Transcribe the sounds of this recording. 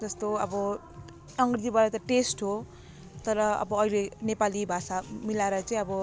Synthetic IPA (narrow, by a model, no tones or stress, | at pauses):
d͡zʌst̪oʌbʌ | ʌŋɡrid̪ibaɾat̪ʌʈesʈɦo | t̪ʌɾʌʌ̰bʌʌilenepalibʱasamilaeɾʌt͡saĩʌbʌ